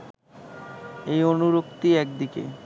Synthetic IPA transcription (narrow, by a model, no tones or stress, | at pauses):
ejonuɾok̚t̪iɛk̚d̪ikḛ